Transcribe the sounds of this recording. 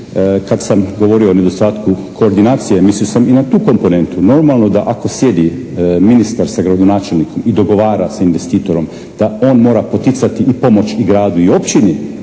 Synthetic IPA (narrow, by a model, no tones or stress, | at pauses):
kad̪samɡo̞ʋo̞ɾioone̞d̪ost̪aːt̪kukʰo̞ːɾd̪inaːt̪sijemisliosaminat̪uːko̞mpo̞ne̞nt̪uno̞ɾmalˠno̞d̪aʔako̞sje̞d̪i | minist̪aɾsaɡɾad̪onaːt͡ʃe̞lnikʰo̞mid̪o̞ɡo̞ʋaːɾasainʋest̪iːt̪o̞ɾo̞m | d̪̥ao̞ːnmo̞ːɾapo̞t̪it̪sat̪iːpo̞mo̞t͡ʃiɡɾaːd̪uio̞pt͡ʃini